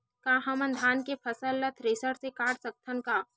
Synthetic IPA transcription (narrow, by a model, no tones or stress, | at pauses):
kaːɦɐmənd̪ʱaːnkepʰɐsəlːət̪ʰɾɪsəɽsekaːɽsək̚t̪ʰənkaː